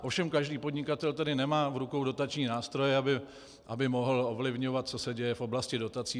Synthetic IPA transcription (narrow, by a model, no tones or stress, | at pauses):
ʔo̞fʃɛmkaʒdiːpo̞dɲɪkat̪ɛlt̪ɛdɪnɛmaːvɾukowdo̞t̪at͡ʃɲiːnaːst̪ɾo̞jɛabɪ | ʔabɪmo̞ɦl̩o̞vlɪvɲo̞vat̪̚t͡so̞sɛɟɛjɛfʔo̞blascɪdo̞t̪at͡siː